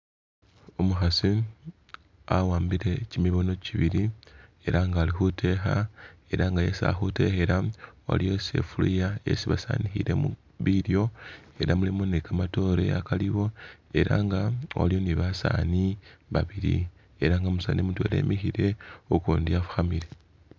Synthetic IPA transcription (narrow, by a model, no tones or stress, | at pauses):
omuxasi | awaːmbiɾe̞cimiβo̞no̞ciβiɾie̞ɾaŋɡaːlixutʰe̞xae̞ɾaŋɡaje̞sa̰xute̞xe̞ɾawa̰lijose̞̰fulijaḛsiβasa̰nixiɾe̞mu | βiɾjo̞e̞ɾamulemonekamato̞ɾe̞̰akaliwo̞e̞ɾa̰ŋɡawa̰ljo̞niβasa̰ːniβa̰βiɾḭ | e̞ɾaːŋɡamusa̰ːnimutwe̞̰le̞̰ːmixiɾe̞okuːndiafu̥xamiɾe